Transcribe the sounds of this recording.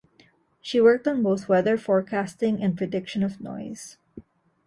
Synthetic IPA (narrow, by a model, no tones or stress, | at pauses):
ʃiwɜɹk̚tɔ̃nboʊθwɛðə˞fɔɹkʰæstɪ̃ŋɛ̃npɹɛdɪkʃɔ̃nɔvnɔ̰ɪz̥